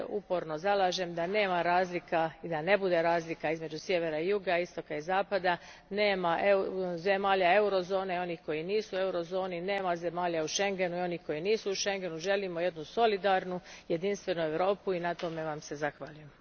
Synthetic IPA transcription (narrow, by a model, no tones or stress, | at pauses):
upo̞ɾno̞zalˠaːʒe̞md̪ane̞ːmaɾaːzlikaid̪ane̞bud̪e̞ɾaːzlikaizme̞d͡ʒusje̞ʋe̞ɾaijuɡaist̪o̞kaizaːpad̪a | ne̞ːmaʔezemaːʎae̞uɾo̞zo̞ːne̞io̞nihko̞jiniːsue̞uɾo̞zo̞ːnine̞ːmaze̞maːʎauʃe̞ŋɡe̞nuio̞nihko̞jiniːsuuʃe̞ŋɡe̞nuʒe̞limo̞je̞d̪nuso̞lid̪aɾnuje̞d̪inst̪ʋe̞nue̞ʋɾo̞ːpuinat̪o̞me̞ʋamse̞zaxʋaʎujem